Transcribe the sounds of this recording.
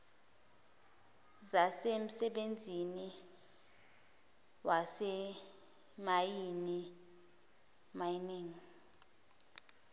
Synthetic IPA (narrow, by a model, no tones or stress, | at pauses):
zasem̩sɛɓend͡zʱini | wasɛ | majini | majiniːŋi